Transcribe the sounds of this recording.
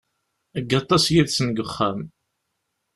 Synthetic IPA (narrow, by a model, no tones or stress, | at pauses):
əɡːɑt̪ˤːɑsjiðsənɡəχːæm